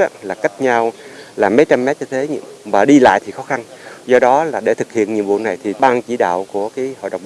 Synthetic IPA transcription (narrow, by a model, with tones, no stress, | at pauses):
a˨˧˦laː˨˩ka˦˥jk̟̚ɲa˧wlaː˨˩mə˨˦jt͡ɕa˧mːɛ˦˥t̚ɲɔ˧t̪ʰe˨˦ɲɨ̰˧vaː˨˩ɗi˧la̰ː˧˨jt̪ʰi˨˩xɔ˨˦xa˧nzɔ˧ɗɔ˨˦laː˨˩ɗe˧˩t̪ʰɨ˨˩k̚hḭ˧˨ənɲi˨əwɓṵ˧˨əna˨˩jt̪ʰi˨˩ɓaː˧nt͡ɕi˧˩ɗa̰ː˧˨wku˧˩əkaː˨˦jho̰˧˨ɗə̰˧˨wŋ͡mɓ